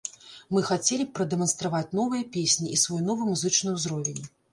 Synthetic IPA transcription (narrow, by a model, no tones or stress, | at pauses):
mɨxat͡sʲelʲipɾɐd̪ɛmɐnst̪ɾavat͡sʲn̪ɔvɨjɐpʲesʲnʲiʔisvɔjnɔvɨmuzɨt͡ʂnɨjwzɾɔvʲenʲ